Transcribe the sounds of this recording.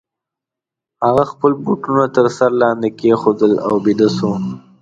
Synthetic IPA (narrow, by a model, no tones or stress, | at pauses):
haɣaxpəlbuʈunat̪əɾsaɾlɑnd̪ekexod̪əla̰wbid̪əso